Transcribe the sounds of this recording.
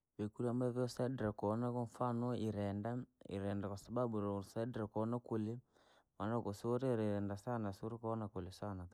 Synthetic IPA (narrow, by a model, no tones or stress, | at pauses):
bekuɾiambavɔsadɾakɔnakɔɱfanɔiɾɛndaḭɾɛndakwasababuɾsadɾakɔnakoli | manakosɾeɾɛɾɛndasanasɾikoɔnakolisana